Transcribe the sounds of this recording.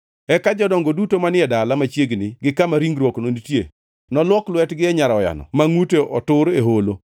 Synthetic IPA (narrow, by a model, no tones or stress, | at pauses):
ɛkad͡ʒɔdɔŋɡodutomanɪɛdalamat͡ʃjeɡnɪɡɪkamaɾiŋɡɾwɔknonitjḛ | nɔlwɔklwɛtɡɪɛɲaɾɔja̰nɔ̰maŋuteʔɔtʊɾeɦolo